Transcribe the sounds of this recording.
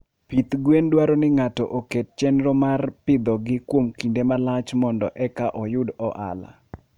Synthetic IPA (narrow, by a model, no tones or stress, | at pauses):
pit̪ɡwendwaɾɔnɪŋatɔ̰ʔoket̚t͡ʃɛnɾɔmarpɪd̪ɔɡɪkwomkindemalat͡ʃmɔndɔʔɛkaʔɔjʊdɔʔa̰la̰